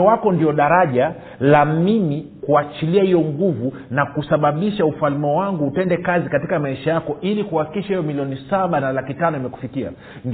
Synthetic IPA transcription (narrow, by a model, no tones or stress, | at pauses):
wakɔndiɔɗaɾaʄa | lamimikuat͡ʃiliahijɔŋɡuvu | nakusaɓaɓiʃaufalmɛwaŋɡuːtɛndɛkazikatikamaiʃajakɔʔilikuhakikiʃahijɔmiliɔnisaɓanalakitanɔimɛku̥fikia̰ | n